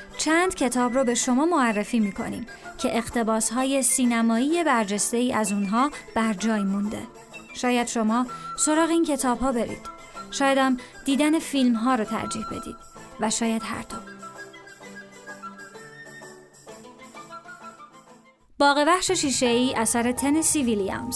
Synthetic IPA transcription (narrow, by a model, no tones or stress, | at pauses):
t͡ʃʰænd̪̥cʰe̞t̪ʰɒːbɾɔːbe̞ʃo̞mɒːmoærːefiːmiːkʰo̞̰nḭːm | cʰe̞ʔeɣt̪ʰe̞bɒːsɦɒːje̞siːnæmɒːiːje̞bæɾd͡ʒest̪e̞iːæzuːnɦɒːb̥æɾd͡ʒɒːjmund̪e̞̰ | ʃɒːjæd̪ʃo̞mɒːso̞ɾɒːɣeiːncʰe̞t̪ʰɒːbɦɒːbe̞ɾḭːd̪̥ | ʃɒːjæd̪æmd̪̥iːd̪æne̞filmɦɒːɾot̪ʰæ̰ɾd͡ʒiːhbe̞̰d̪ḭːd̪̥væʃɒːjæd̪̥ɦæ̰ɾt̪ʰo | b̥ɒːɣe̞bæχʃe̞ʃiːʃe̞iːʔæsæɾe̞t̪ʰe̞nesiviliæ̰mz̥